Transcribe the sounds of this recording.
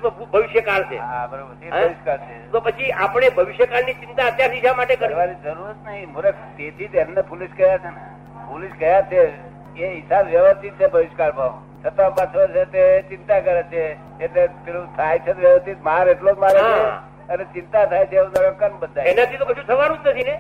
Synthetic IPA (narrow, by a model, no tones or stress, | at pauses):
əbʱəʋɪʃjəkalt͡ʃʰḛɦabəɾobəɾbʱəʋɪʃkaɾt͡ʃʰet̪opət͡ʃʰiapɳ̃ebʱəʋɪʃjəkalnit͡ʃint̪aət̪jaɾsiʃamaʈekəɾʋanid͡ʒəɾuɾət̪nəɦimuɾəkt̪et̪ʰit̪ennepuliskəɦjat͡ʃʰene | puliskəjat͡ʃʰe | eɦisabʋjəʋəst̪ʰit̪̚t͡ʃʰebʱəʋɪʃkaɾbʱəʋ | t͡ʃʰət̪apə̃t͡ʃʋəɾʃet̪et͡ʃɪnt̪akəɾet͡ʃʰe | eʈlet̪eũt̪ʰajt͡ʃʰet̪ʋjəʋəst̪ʰit̪maɾeʈlod͡ʒmaɾɦae | ənet͡ʃɪnt̪at̪ʰajt͡ʃʰeũnəɽəkːənbəd̪ʱaenat̪ʰit̪opət͡ʃʰũt̪ʰəʋaɾ̃ũt͡ʃət̪ʰine